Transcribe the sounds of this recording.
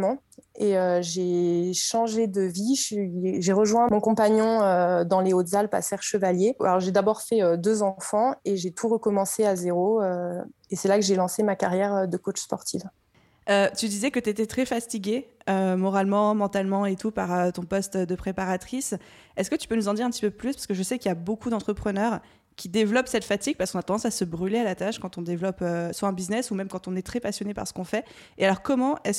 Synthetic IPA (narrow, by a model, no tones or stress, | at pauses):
mɑ̃ | eøʒeʃɑ̃ʒed̪əviʃʒeʁəʒwɛ̃mɔ̃kɔ̃paɲɔ̃ød̪ɑ̃leot̪zalpa̰sɛʁʃəvaljea̰lɔʁʒed̪abɔʁfɛød̪øzɑ̃fɑ̃eʒet̪uʁəkɔmɑ̃seazeʁoø | esɛlakəʒelɑ̃semakaʁjɛʁød̪əkot͡ʃspɔʁt̪ʰiv | øt̪yd̪izɛkət̪yet̪ɛt̪χɛfast̪iɡʲeømɔʁalmɑ̃mɑ̃t̪almɑ̃et̪upaʁøt̪ɔ̃pɔst̪d̪əpχepaʁat̪χis | ɛskət̪y̥pønuzɑ̃d̪iʁɛ̃pət̪i̥pøplyspaʁskəʒəsɛkiljabokud̪ɑ̃t̪χəpχənœʁ | kʲid̪evlɔpsɛt̪fat̪iɡ̚paʁsəkɔ̃nat̪ɑ̃d̪ɑ̃sasəbʁylealat̪aʃkɑ̃t̪ɔ̃d̪evlɔpøswaɛ̃biznɛsumɛmkɑ̃t̪ɔ̃nɛt̪χɛpasjɔnepa̰ʁsə̥kɔ̃fɛ | ealɔʁkɔmɑ̃ʔɛs